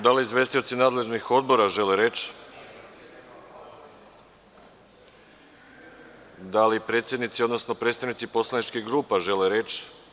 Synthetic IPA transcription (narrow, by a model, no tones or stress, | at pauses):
d̪aliizʋe̞ːst̪io̞t̪sinaːd̪le̞ʒnixo̞d̪bo̞ɾaʒe̞leɾet͡ʃ | d̪alipɾe̞ːt̪sjed̪nit̪sio̞d̪no̞sno̞pɾet̪st̪aʋnit̪sipo̞slˠanit͡ʃkiɣɡɾuːpaʒe̞leɾe̞t͡ʃ